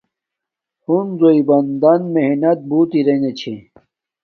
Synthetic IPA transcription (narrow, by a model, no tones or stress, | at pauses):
hunzoibɐnd̪ɐnmeɦnɐt̪̚buːt̪iɾenet͡ɕʰe